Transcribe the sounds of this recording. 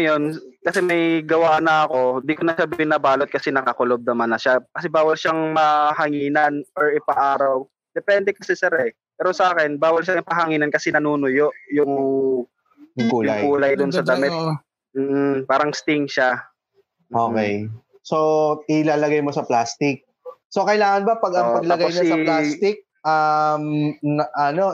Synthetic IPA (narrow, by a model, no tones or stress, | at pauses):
ɐjo̞n | kɐsɛmɐjɡɐwaːʔnɐʔɐko̞ɪnd̪iːkonɐʃabɪnaːbaːlot̪̚kɐsɛnɐkakʊlob̚d̪ɐmanɐʃakɐsɛbaːwɐlʃaŋmɐhɐŋiːnɐnʔoɹɪpɐʔaːɾaw | d̪̥ɛpɛnd̪ɛkɐsɛsɛɾɛ | pɛːɾo̞sɐʔaːkɛnbaːwɐlʃaŋɪpɐɦɐŋiːnɐnkɐsɛnɐnuːnojoʔjʊŋ | ŋkulja̰juːlɐjd̪ʊnsɐd̪ɐmɛt̪̚ | m̩ːʔ̩paːɾɐŋst̪ɪŋʃa | mʔokɛ̰j | soɪlaːlɐɡajmo̞sɐplaːst̪ɪk̚ | sokɐjlaːŋɐnbɐpɐɡɐŋpɐɡlaɡaojnɐsɐplast̪ɪk̚ | ʔɐmnɐʔɐno̞